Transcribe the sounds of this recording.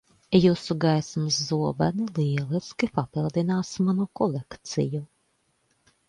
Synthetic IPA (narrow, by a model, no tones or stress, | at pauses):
jusuɡajsmɨsːuɔba̰niliɛlˠiskʲipapilˠd̪inaːsmanukɔlʲˠekt̪sḭju